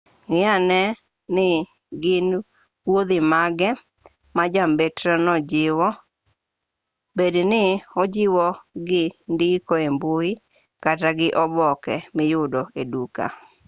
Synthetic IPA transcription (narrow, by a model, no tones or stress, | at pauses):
ŋɪanɛ | nɪ | ɡɪn | wod̪ɪmaɡɛ | mad͡ʒambetɾɔnɔd͡ʒɪwɔ | bednɪɔd͡ʒɪwɔɡɪndikɔemboi | kataɡɪʔɔbɔkɛmɪjʊdoeduka̰